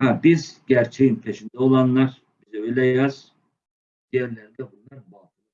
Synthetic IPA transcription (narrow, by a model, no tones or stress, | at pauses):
hæbizɟæɾt͡ʃʰejinfʰeʃind̪ɛo̞lˠanlˠaɾ̥ | b̥izɛøjlʲɛjaz̥ | d̪̥ijæɾlʲæɾid̪ɛbunlˠaɾmalulˠ